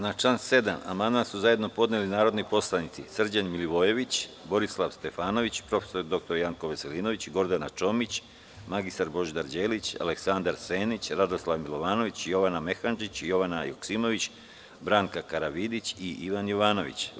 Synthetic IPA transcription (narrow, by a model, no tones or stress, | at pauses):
nat͡ʃlanse̞d̪ama̰mand̪mansuzaje̞d̪no̞po̞d̪nelinaːɾo̞d̪nipo̞slˠanit̪sisr̩d͡ʑanmiliʋo̞je̞ʋit͡ɕbo̞ɾislˠaʋst̪e̞faːno̞ʋit͡ɕpɾo̞fe̥so̞ɾd̪o̞k̚t̪o̞ɾjaŋko̞ʋeseliːno̞ʋit͡ɕɡo̞ɾd̪anat͡ʃo̞mit͡ɕ | maɡist̪aɾbo̞ʒd̪aɾd͡ʑeːlit͡ɕa̰le̞ksand̪aɾse̞ːnit͡ɕɾad̪oslˠaʋmilˠo̞ʋaːno̞ʋit͡ɕjo̞ʋaname̞xand͡ʒit͡ɕjo̞ʋanajoksimo̞ʋit͡ɕ | bɾaːŋkakaɾaʋid̪it͡ɕiʔiʋanjoʋaːno̞ʋḭt͡ɕ